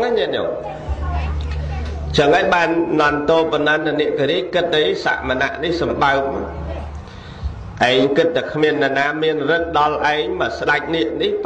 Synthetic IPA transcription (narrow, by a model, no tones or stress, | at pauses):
ŋaniəʔnɔ̰ŋ | t͡ɕəŋəɲɓaːnnɔnt̪oːpɑnant̪aniəʔkiɾiəckɨt̪̚ɗ̪əsa̰ʔmana̰ʔnihsɑmɓaək̚m | ʔaɛɲkɨt̪̚t̪ːakʰmiənːanaːmiənrɨŋ̚ɗɑlʔaɛɲmaːsɗac̚niəʔnih